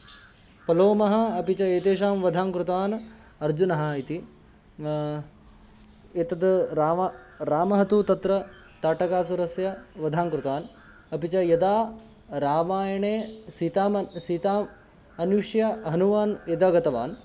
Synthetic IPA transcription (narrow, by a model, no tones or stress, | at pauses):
pɐloːmɐɦɐ̆ɐpit͡ʃɐeːt̪eːʃaːmʋɐd̪ʱaːŋkɾut̪aːn | ɐɾd͡ʒunɐɦɐ̆it̪i | et̪ɐd̪ɾaː | ɾaːmɐɦɐt̪ut̪ɐt̪ɾɐ | t̪aːʈɐkaːsuɾɐsjɐʋɐd̪ʱaːŋkɾut̪aːn | ɐpit͡ʃɐjɐd̪aː | ɾaːʋaːjɐɳeːsiːt̪aːmsiːt̪aːm | ɐnuʂjɐɦɐnuʋaːnjɐd̪aɡɐt̪ɐʋa̰ːn